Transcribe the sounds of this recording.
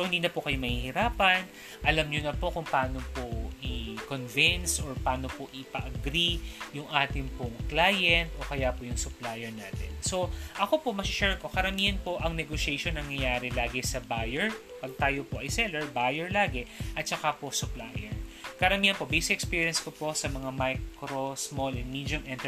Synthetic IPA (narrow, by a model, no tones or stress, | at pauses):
sohɪnd̪iːnɐpokɐjo̞mɐhihɪɾaːpɐn | ʔɐlɐmɲonɐpo̞kʊŋpɐaːno̞poʔɪkonvɪnsoɹpaːno̞poʔɪpɐʔɐɡɾijʊŋʔaːt̪ɪŋpʊŋklaːjɛnt̪ʔo̞kɐjapojʊŋsʊplajɛɹnaːt̪ɛ̰nso̞ʔɐko̞po̞mɐʃɛɹko̞kɐɾɐmiːhɐnpo̞ʔɐŋnɛɡoʃɛjʃonːɐŋɲɐjaːɾɛlaːɡɛsɐbaːjɛɹ | pɐɡ̚t̪aːjopoʔɐjsɛlɛɹbaːjɛɹlaːɡɛʔɐt̪̚t͡ʃɐkaposʊplajɛɹkɐɾɐmiːhɐnpo̞bɛsɪɛkspiːɹjɐnskopo̞sɐmɐŋamajkɾosmolɛnmiːd̪ʊmʔɛnt̪ɛ